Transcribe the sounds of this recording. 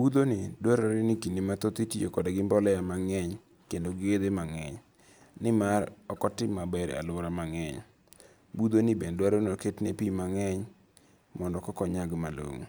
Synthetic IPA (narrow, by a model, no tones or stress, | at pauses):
bud̪onidwaɾoɾɪnikinɪmat̪ot̪itijokɔdɡɪmbɔlɛjamaŋɛɲ | kendoɡed̪emaŋɛ̰ɲ | nɪmaɾɔkɔtɪmabɛɾ̰a̰lʊɾamaŋɛɲ | bud̪onibendwaɾonoketnepimaŋɛɲ | mɔndɔkɔkɔɲaɡmalo̰ŋo̰